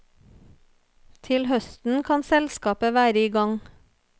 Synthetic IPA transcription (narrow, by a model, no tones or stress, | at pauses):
t̪ʰɪlhœst̪n̩kʰɑnsɛlskɑːpəʋæːɾəiːɡɑŋ